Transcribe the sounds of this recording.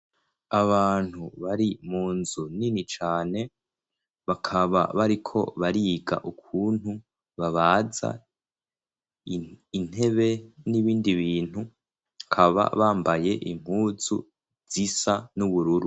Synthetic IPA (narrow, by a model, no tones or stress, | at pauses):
aβaːn̥huβaɾimuːnzuninit͡ʃaːne̞ | βakʰaβa̰βaɾikʰo̞̰βaɾiːɡa̰ʔukʰuːn̥hu | βaβaːza̰ | in̥he̞βe̞niβiːndiβiːn̥hu | kʰaβa̰βaːmbaje̞ʔim̥huːzṵ | z̥isanuβuɾuɾu